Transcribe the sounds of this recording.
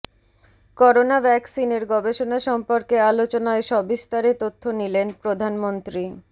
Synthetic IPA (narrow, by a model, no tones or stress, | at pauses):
kɔɾonabʱɛksineɾɡɔbeʃonaʃɔmpoɾkealot͡ɕonaeʃɔbist̪aɾet̪ot̪ʰːonilenpɾod̪ʱanmont̪ɾi